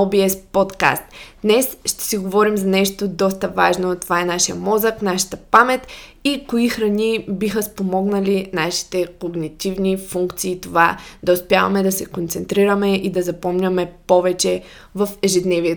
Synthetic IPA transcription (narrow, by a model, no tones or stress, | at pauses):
obiɛspɔt̪ka̰st̪d̪nɛsʃt̪ɛ̥siɡovɔɾimzɐnɛʃt̪od̪ɔst̪əvaʒnot̪ovaɛnaʃijəmɔzəknaʃə̥t̪əpamɛt̪ikoixɾɐnʲibixəspomɔɡnɐlinaʃi̥t̪ɛkoɡnit̪ivnifuŋkt̪siːt̪ova̰d̪ɐʊspʲjavɐmɛd̪ɐsɛkont̪sɛnt̪ɾiɾəmɛʔid̪ɐzɐpɔmnʲɐmɛpɔvɛt͡ʃɛ | vɐfɛʒɛd̪nɛviɛ